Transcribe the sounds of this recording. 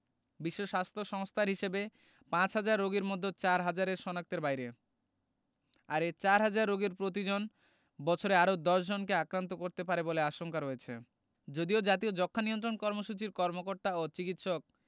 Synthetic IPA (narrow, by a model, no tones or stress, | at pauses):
biʃːoʃast̪ʰoʃɔŋst̪ʰaɾɦiʃebe | pãt͡ɕɦad͡ʑaɾːoɡeɾmod̪ʱːot͡ɕaɾɦad͡ʑaɾeɾʃɔnak̚t̪eɾbajɾe | aɾet͡ɕaɾɦad͡ʑaɾːoɡeɾpɾot̪̬id͡ʑon | bɔt͡ɕʰoɾeaɾod̪ɔʃd͡ʑonkeakɾant̪̬okoɾt̪epaɾeboleaʃoŋkaɾɦojet͡ɕʰḛ | d͡ʑod̪iod͡ʑat̪̬iod͡ʑɔkʰːaniont̪ɾonkɔɾmoʃut͡ɕiɾkɔɾmokoɾt̪aot͡ɕikit̪ʃok̚